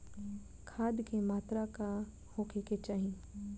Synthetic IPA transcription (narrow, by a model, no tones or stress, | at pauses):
kʰaːd̪kemaːt̪ɾaka | hoːkʰeket͡ʃaːɦĩ